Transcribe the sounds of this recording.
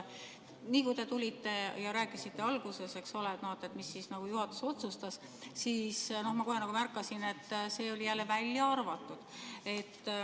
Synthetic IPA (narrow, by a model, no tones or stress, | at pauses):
niːkut̪e̞t̪ulʲit̪ːe̞jɑɾæːkːˑisit̪ːe̞ɑlɡ̥use̞se̞ksolet̪noet̪ːˑet̪misːisnɑɡ̥ujuɦɑt̪ːˑu̥so̞t̪sust̪ɑs | siːsno̞hmɑko̞ɦe̞nɑɡ̥umærkːˑɑsine̞t̪ːse̞ːo̞lʲijælːe̞vælʲːjɑɑrvɑt̪ːˑud̪̥e̞t̪ː